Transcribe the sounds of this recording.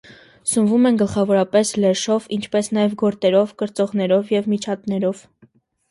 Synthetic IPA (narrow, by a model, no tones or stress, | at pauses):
səmvumɛnɡəlχɑvɔɾɑpɛslɛʃɔvint͡ʃʰpɛsnɑjɛvɡɔɾt̪ɛɾɔvkəɾt͡sɔʁnɛɾɔvjɛvmit͡ʃʰɑt̪nɛɾɔv